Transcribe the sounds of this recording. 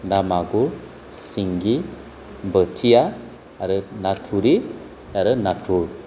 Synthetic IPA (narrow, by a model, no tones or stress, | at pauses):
ndamaɡu | siŋɡi | mbətʰia | aɾənatʰuɾi | jaɾənatʰuɾ